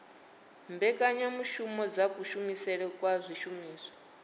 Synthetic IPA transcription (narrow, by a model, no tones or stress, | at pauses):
mbɛkʼaɲamuʃumɔd͡zakʼuʃumisɛɺɛkʼwazʷiʃumiːsɔ̥